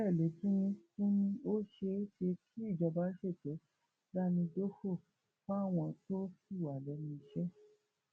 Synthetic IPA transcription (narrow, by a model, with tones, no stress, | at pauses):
ɛ˦˨le˨˦tũ˦nĩ˧tũ˦nĩ˧o˦ʃe˧˦ʃe˧kʰi˦i˦˨d͡ʒa˧˨ba˨˦ʃe˦˨tɛ˨˦ | la˦˨nĩ˧do˦ho˦˨ | k͡pa˦˨w̃ɔ̃˧to˦fi˦˨wa˨lɛ˧˦nĩ˧ʃɛ˦